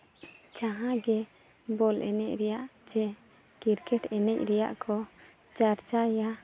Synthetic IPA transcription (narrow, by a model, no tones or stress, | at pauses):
t͡ʃaɦãɡɛ | bɔlʔɛ̰nɛc̚ɾɛjaʔd͡ʒɛ | ɡ̥iɾkɛʈɛnɛc̚ɾɛja̰ʔkʰɔ | t͡ʃaɾt͡ʃaja